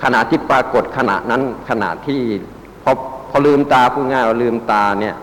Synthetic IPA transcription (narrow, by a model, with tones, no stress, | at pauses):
kʰa˧na˨˩t̪ʰːiː˥˩pɾaː˧ko˨˩t̪̚kʰa˧na̰˨˩ʔna˦˥nkʰa˧na̰˨˩t̪ʰːiː˥˩ | pʰɔ˧pʰɔ˧lɯː˧mt̪aː˧pʰuː˥˩ŋaː˥˩jwaː˧˩lɯː˧mt̪aː˧ni˥˩ɐ